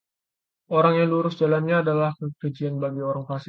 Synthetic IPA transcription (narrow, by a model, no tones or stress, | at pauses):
ʔoɾaŋjaŋluɾʊsd͡ʒalanɲaːdalahkəkəd͡ʒianbaɡioɾaŋfasɪ